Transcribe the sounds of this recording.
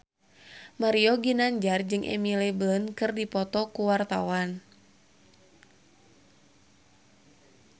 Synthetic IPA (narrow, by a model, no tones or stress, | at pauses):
maɾiɔɡinaɲd͡ʒard͡ʒɨŋʔɛ̰milɛblɔnkɨrdipɔt̪ɔkuwart̪awan